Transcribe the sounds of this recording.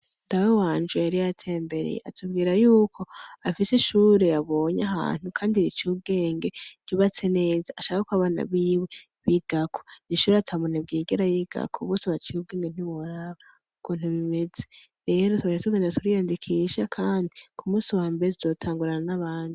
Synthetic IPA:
ndawewaːnd͡ʒejaɾijatʰe̞ːmbe̞ɾḛj̰a̰tʰubɡiːɾajuːkʰo̞afiseʃuɾeaβo̞ːɲaɦa̰ːn̥hukʰaːndiit͡ʃuːbɡe̞ːŋɡe̞ɟ̥iβat͡sene̞ːzaːʃakakuaβana̰βiːwe | βiɡ̥akʰoniʃuːɾeatʰamonab̚ɡiːɡeɾajiɡ̥a̰kʰoβo̞ːseβat͡ʃiub̚ɡeːŋɡen̥iβoɾaβa | ukuːn̥huβime̞zeɾe̞ːɾotuaʃetuɡeːnatuɾijaːndikʰiʃakʰaːndikʰumuːsiwaːmbeɾetuzo̞ːtʰaːŋɡuɾananaβaːndi

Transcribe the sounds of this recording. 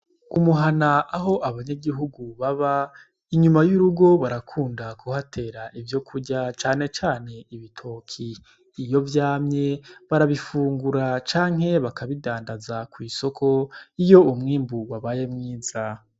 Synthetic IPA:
umuɦanaʔːɦo̞ʔaβaɲaɡiɦuɡuβaβa | iɲumajuɾuɡo̞βaɾakʰuːndakuhatʰe̞ːɾaʔivjo̞kʰuɟat͡ʃaːne̞t͡ʃaːne̞iβitʰo̞ːkʰiː | jo̞vjaːmɲe̞βaɾaβifuːŋɡuɾat͡ʃaːŋɦhe̞βakʰaβidaːndazakwiːso̞kʰo̞ijo̞umŋiːmbuwaβaje̞mŋiːz̥a

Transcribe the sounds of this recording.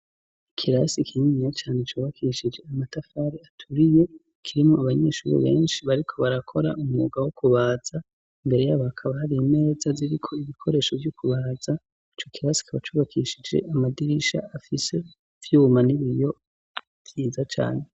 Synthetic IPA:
ikʰiɾasikʰiɲiɲijat͡ʃaːnet͡ʃuːβakʰiʃid͡ʒe̞amatafaːɾiatʰuɾije̞ | kʰiɾimoaβaɲeːʃṵɾḭβe̞̰ːnʃiβaɾikʰo̞βaɾakʰo̞ɾa̰umŋṵːɡawokʰuβaːz̥a | imbe̞ɾe̞jaβakʰaβahaɾiːme̞ːzaziɾikʰo̞iβikʰo̞ɾe̞ːʃovjukʰuβaza | it͡ʃokiɾasi̥kʰaβat͡ʃuːβakʰiʃid͡ʒe̞̰ʔamadiɾiʃa̰ːfise̞ | vjuːmaniβijo̞ | vjiːzat͡ʃa̰ːne

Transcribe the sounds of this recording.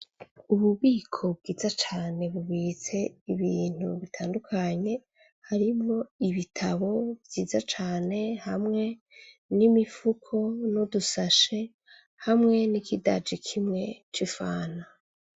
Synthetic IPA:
uβuβiːkʰo̞b̚ɡiːzat͡ʃaːne̞βuβiːt͡se̞iβiːn̥uβitʰaːndukʰaɲe̞ | haɾimŋo̞iβitʰaβo̞bjiːzat͡ʃaːne̞hamŋe̞ | nimifukʰo̞nudusaʃe̞ | hamŋe̞nikida̰d͡ʒikʰimŋe̞t͡ʃifaːna

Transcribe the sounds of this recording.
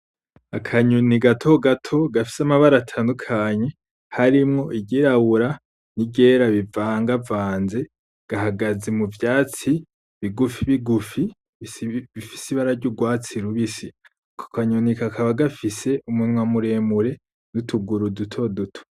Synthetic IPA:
akʰaɲuniɡatʰo̞ɡatʰo̞ɡafi̥samaβaɾaːtʰaːndukʰaɲe̞ | haɾimŋo̞ʔiɟiɾawuɾa | niɟe̞ɾaβivaːŋɡavaːnze̞ | ɡ̥aɦaɡazemuvjaːt͡si | βiɡufiβiɡufi | βifi̥siβaɾaɾɟuɡwaːt͡siɾuβisi | kʰo̥kaɲunikakʰaβaɡafise̞ʔumunŋwamuɾe̞muɾe̞ | nutʰuɡuɾudutʰo̞dutʰo̥

